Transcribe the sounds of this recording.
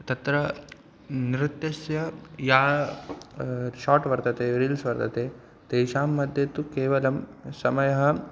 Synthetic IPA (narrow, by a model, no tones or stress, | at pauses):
t̪ɐt̪ɾɐ | niɾɪt̪jɐsjɐjaː | ʃaːʈʋɐɾt̪ɐt̪eːɾiːlsʋɐɾt̪ʰɐt̪eː | d̪̥eːʃaːmːɐd̪ʱjɐt̪ːukeːʋɐlɐmsɐmɐjɐɦɐ̆